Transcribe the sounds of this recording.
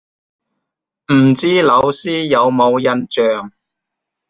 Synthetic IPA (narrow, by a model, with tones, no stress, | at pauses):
m̩˨˩t͡siː˥lɐ˨˧wsiː˥jɐ˨˧wmo˨˧wjɐ˨nt͡ʃœː˨ŋ